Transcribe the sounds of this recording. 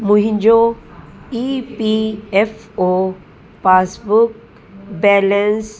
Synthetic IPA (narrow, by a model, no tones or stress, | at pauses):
muɦĩnd͡ʒo | ipief | o | pasbuk | bɛləns